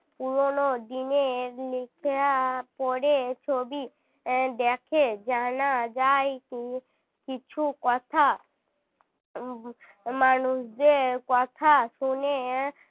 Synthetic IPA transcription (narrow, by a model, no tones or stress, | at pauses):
puɾonod̪ineɾlɪkʰapɔɽet͡ʃʰobi | d̪ekʰed͡ʒanad͡ʒaːik̪ĩ | kɪt͡ʃʰukɔt̪ʰa | manusd͡ʒekɔt̪ʰasune